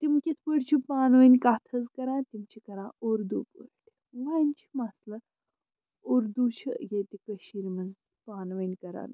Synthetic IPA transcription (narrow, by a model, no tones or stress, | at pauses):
t̪imkʲit̪ʰpəɽt͡ɕʰipaːnʋənʲkat̪ʰɐzkɐɾãt̪imt͡ɕʰikɐɾãoɾd̪upṵɾt̪i̥ | ʋanʲt͡ɕʰi̥maslɐ | uɾd̪ut͡ɕʰḭjet̪ekəɕiɾmɐnd͡z | paːnʋənʲkɐɾa̰ːn